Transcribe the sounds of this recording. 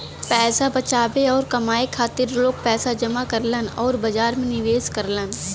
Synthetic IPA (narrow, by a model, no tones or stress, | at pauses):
pɛːsabɐt͡ʃaːbeɔːɾkɐmaːekʰaːt̪ɪɾloːɡ̚pɛːsad͡ʒɐmakɐɾlənɔːɾbɐd͡ʒaːɾmẽnɪʋeːskəɾlən